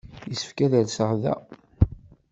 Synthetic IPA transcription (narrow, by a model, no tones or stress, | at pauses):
jəsə̥fkæðælsəʁðæ̰